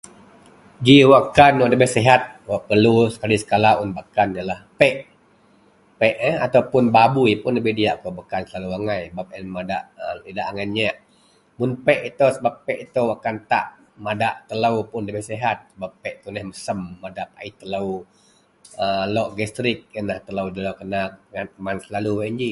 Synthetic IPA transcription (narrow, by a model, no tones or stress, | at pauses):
d͡ʒiwakanwaʔdəbɪhsiɦat̪̚waʔpərlusə̥kalisə̥kalaunbakanijalahpɛʔ | pɛʔat̪awpʊnbabuipʊnləbihdiaʔkobakansəlaluwaŋajbap̚ɛnmadaʔəlidaʔaŋanɲaʔ | mʊnpɛʔit̪osəbapːɛʔit̪owakant̪a̰ʔ | madaʔt̪ələwpʊnləbihseɦat̪̚səbapːɛʔt̪unəhməsəmːadaʔp̚a̰it̪ələw | əlɔʔɡɛst̪ɾɪk̚ənaht̪ələwd̪ələkənak̚ankəmansəlaluwnd͡ʒi